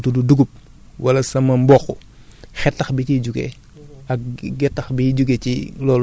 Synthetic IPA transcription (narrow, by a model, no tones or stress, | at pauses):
tududuɡup̚ | wʔɐlɐsɐmɐmbɔːxṵ | xɛtːɐxbiciɟuɡḛ | ɐk̚ɡɛtːɐxbiɟuɡecilɔːl